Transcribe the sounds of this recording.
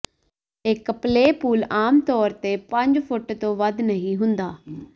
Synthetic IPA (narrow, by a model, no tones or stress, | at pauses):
ɪkpleːpuːlaːmt̪ɔːɾt̪eːpə̃ɲd͡ʒpʰʊʈt̪õːʋəd̪nəɦĩːɦʊnd̪aː